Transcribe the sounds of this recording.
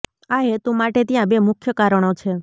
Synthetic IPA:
aɦet̪ũmaʈet̪jãbemʊkʰjəkaɾəɽ̃ot͡ʃʰe

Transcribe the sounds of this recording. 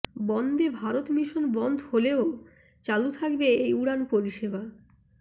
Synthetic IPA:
bɔnd̪ebʱaɾot̪miʃonbɔnd̪ʱholeo | t͡ɕalut̪ʰakbeejuɽanpoɾiʃeba

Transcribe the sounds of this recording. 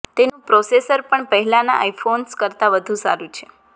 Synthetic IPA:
t̪enũpɾɔsesəɾpəɳpəɦɛlana̰ʔaifʰonskəɾt̪aʋəd̪ʱũsa̰ɾũt͡ʃʰe

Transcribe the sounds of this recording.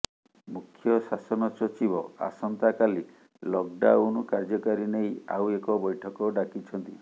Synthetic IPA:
mukʰjɔsasɔnɔsɔt͡ʃibɔa̰sɔnt̪akali | lɔk̚ɖawnɔkaɾd͡ʒɔkaɾineja̰wekɔbɔjʈʰɔkɔɖakit͡ʃʰɔnt̪i

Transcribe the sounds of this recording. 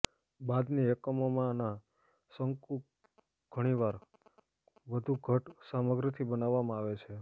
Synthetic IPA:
bad̪niɛkəmomãna | səŋku | ɡ̥ʱəɽ̃iʋaɾ | ʋəd̪ʱuɡʱəʈsaməɡɾət̪ʰibənaʋːamãaʋet͡ʃʰe

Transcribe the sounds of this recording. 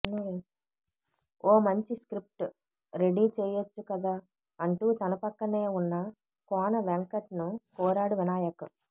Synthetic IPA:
no | oːmɐɲt͡ʃiskɾip̚ʈ | ɾe̞ɽiːt͡ʃɛːjɐt͡ʃːukɐd̪aː | ɐɳʈuːt̪ɐnɐpɐkːɐne̞ːunːɐ | kɔːnɐʋeŋkɐʈnukɔːɾaːɽuʋinaːjɐkɐ̰

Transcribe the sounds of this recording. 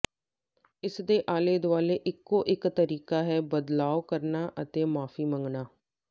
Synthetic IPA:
ɪsd̪eːʔaːleːd̪ʋaːleːʔɪkːoːʔɪkt̪əɾiːkaːɦɛːbəd̪laːokəɾnaːʔət̪eːmaːfʰiːmə̃ŋɡnaː

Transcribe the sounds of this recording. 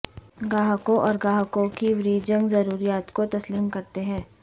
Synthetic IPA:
ɡaːɦkõʔɔːɾɡaːɦkõkiʋɾiːd͡ʒə̃ŋɡzɐɾuːɾijaːt̪kot̪ɐsliːmkɐɾt̪eɦɛ̃ː

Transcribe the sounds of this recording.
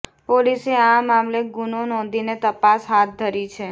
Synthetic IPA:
poliseamamleɡunonɔ̃nd̪inet̪əpasɦat̪̚d̪ʱəɾit͡ʃʰe

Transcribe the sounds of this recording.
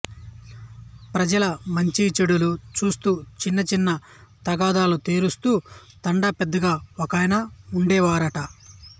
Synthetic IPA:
pɾɐd͡ʒɐlɐmɐɲt͡ʃit͡ʃeɽulut͡ʃuːst̪uːt͡ʃinːɐt͡ʃinːɐ | t̪ɐɡaːd̪aːlut̪eːɾust̪uː | t̪ɐɳɖɐpɛd̪ːɐɡaːokɐːjnɐuɳɖɛːʋaːɾɐʈɐ

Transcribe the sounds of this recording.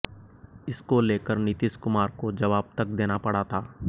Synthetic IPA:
ɪskoleːkəɾnɪt̪ɪʃkʊmaːɾkod͡ʒɐʋaːb̚t̪ɐk̚d̪eːnapɐɽ̤at̪ʰaː

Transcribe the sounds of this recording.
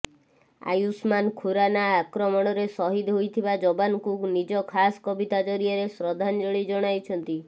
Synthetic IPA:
a̰jusmankʰuɾanaːkɾɔmɔɽ̃ɔɾesɔɦid̪ɦojt̪ʰibad͡ʒɔbanɔkunid͡ʒɔkʰasɔ̥kɔbit̪ad͡ʒɔɾiɔɾesɾɔd̪ʱand͡ʒɔɭid͡ʒɔɽ̃ajt͡ʃʰɔnt̪i

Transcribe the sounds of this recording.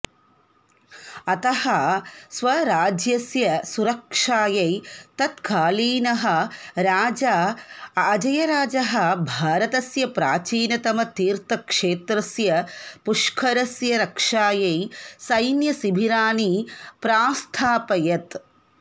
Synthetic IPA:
ɐt̪ɐhɐsʋɐɾaːd͡ʒjɐsjɐsuɾɐkʂaːjɐjt̪ɐt̪kaːliːnɐɦɐ̆ɾaːd͡ʒɐaːd͡ʒɐjɐɾaːd͡ʒɐɦɐ̆bʱaːɾɐt̪ɐsjɐpɾaːt͡ʃiːnɐt̪ɐmɐt̪iːɾt̪ɐkʂeːt̪ɾɐsjɐpuʂkʰɐɾɐsjɐɾɐkʂaːjɐjsɐjnjɐsibʱiɾaːnipɾaːst̪ʰaːpɐjɐt̪

